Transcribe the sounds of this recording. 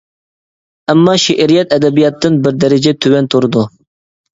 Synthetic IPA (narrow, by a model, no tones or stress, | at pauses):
æmːɑʃeʔɾijɛt̪ɛd̪ɛbijɑt̪ːɨnbɪɾd̪ɛɾɪd͡ʒɛt̪ʰywɛnt̪ʰoɾɨd̪u